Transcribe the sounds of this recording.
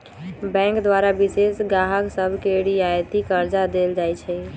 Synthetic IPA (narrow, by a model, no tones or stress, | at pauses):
bɛ̃ŋkd̪waɾabisesɡaɦəksəbʱkeɽiajt̪ikəɾd͡ʒad̪eld͡ʒajt͡ʃʰɛ